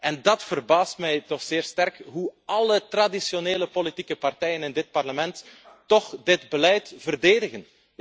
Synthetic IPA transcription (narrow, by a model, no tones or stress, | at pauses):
ɛndɑtfərbaːstmɛjtɔxz̥ɪːrstɛrkɦuɑlətradisjoneːləpolitikəpartɛjənɪndɪt̚pɑrləmɛntː | ɔxdɪtbəlɛjtv̥ərdeːdəɣən